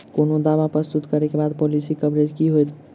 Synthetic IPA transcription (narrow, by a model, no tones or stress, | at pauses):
konod̪aʋapɾəst̪ut̪kəɾɛkebad̪polisikəbɾed͡ʒkiɦojt̪